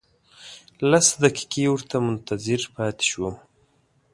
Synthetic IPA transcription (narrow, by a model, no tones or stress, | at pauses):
lasd̪aki̥kewʊɾt̪amʊnt̪azɪɾpɑːt̪ɪ̥ʃwu